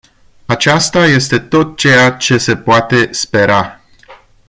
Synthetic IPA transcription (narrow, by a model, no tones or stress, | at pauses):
at͡ʃast̪aje̞st̪e̞t̪o̞t̪̚t͡ʃejat͡ʃe̞se̞poat̪e̞spe̞ɾa